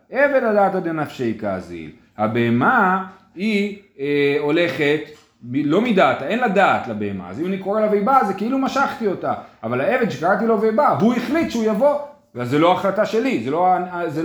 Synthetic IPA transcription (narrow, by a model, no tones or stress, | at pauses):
evedladaːtad̪enafʃeika̰ːzḭl | habe̞ema | ieo̞le̞χe̞t | milo̞midat̪ae̞nlad̪aːt̪labeema̰a̰zimanikoʁelavejbazekeilumaʃaχt̪io̞taːvalae̞ved̪ʃekaʁat̬ilovejbaveuiχlit̪ʃeujavo̞ | vazːelo̞aːχlataʃe̞lizelo̞aze